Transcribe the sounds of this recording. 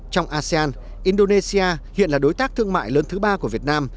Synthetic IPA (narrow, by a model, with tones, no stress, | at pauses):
t͡ɕɔ˧wŋ͡mʔaː˧si˧aː˧n | ʔi˧nɗo˧ne˧si˧aː˧hḭ˧˨ənlaː˨˩ɗo˨˦jt̪aː˦˥k̚t̪ʰɨ˧əŋma̰ː˧˨jləː˨˦nt̪ʰɨ˨˦ɓaː˧ku˧˩əvi˨˩ət̚naː˧m